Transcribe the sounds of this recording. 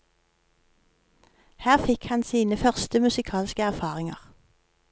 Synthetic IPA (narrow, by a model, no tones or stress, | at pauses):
hæːʁfɪkhɑnsiːnəfœʁst̪əmʉsɪkʰɑːlskəæʁfɑːʁɪŋɑ̰ʁ